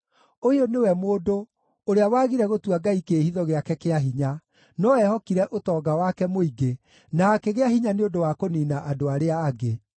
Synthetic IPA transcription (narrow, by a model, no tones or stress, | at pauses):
oionewɛmoːdo | oɾeawaːɣiɾɛɣotwaɡaikehiðɔɣeakɛkeaɦiɲa | nɔɛhɔkiɾɛʔotɔːɡawakɛmoiɡe | nakeɣeaɦiɲaneondowakoninaʔadoaɾeaːɡe